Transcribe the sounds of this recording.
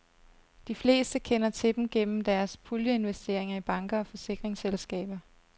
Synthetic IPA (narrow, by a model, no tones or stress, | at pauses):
d̥ifle̝̰ːsd̥əkʰenɐt͡sʰe̝d̥m̩ɡ̥en̰m̩d̥æɐspʰuljəe̝nʋesd̥e̝ɐ̰e̝ŋɐib̥ɑ̈ŋɡ̥ɐɒ̽fɒ̽se̝ɡ̥ʁeŋselsɡ̥ɛ̰ːb̥ɐ